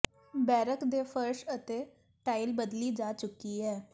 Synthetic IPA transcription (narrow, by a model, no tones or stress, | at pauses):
bɛːɾəkd̪eːpʰəɾʃət̪eː | ʈaːɪlbəd̪liːd͡ʒaːt͡ʃʊkːiːɦɛː